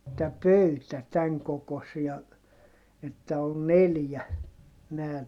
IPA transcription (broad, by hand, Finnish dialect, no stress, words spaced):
tæ pøytæ tæŋ kokosiɑ etːæ ol neljæ næː